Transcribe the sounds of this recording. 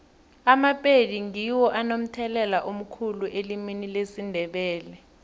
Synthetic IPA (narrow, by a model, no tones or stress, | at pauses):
amapʼediŋiwɔʔanom̩tʰɛlɛlaʔum̩kʰuluʔeliminilesindʱɛɓɛːlɛ